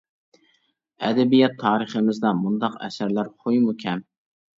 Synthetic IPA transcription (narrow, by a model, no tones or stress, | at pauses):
ɛd̪ɛbijɛt̪ʰːɑːɾɨχəmɪzd̪ɑmund̪ɑqɛ̰sæɾlæɾχojmukʲʰɛm